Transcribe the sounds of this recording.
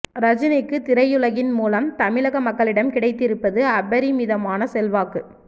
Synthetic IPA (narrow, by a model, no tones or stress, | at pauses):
ɾɐd͡ʒɪnɐɪkːɯt̪ɪɾɐjʊɭɐɣɪnmuːlɐmt̪ɐmɪɭɐɣɐmɐkːɐɭɪɽɐmkɪɽɐɪt̪ːɪɾɯpːɐðɯɐbɐɾimiːðɐmaːnɐsɛlʋaːkɯ